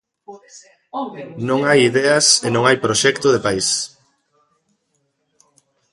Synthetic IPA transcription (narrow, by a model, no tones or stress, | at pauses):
nõŋajiðɛɐsenõŋajpɾoʃɛkt̪ʊðepais